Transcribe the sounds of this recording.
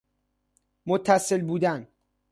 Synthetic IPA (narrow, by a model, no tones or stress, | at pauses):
mot̪ʰːæse̞lbuːd̪æn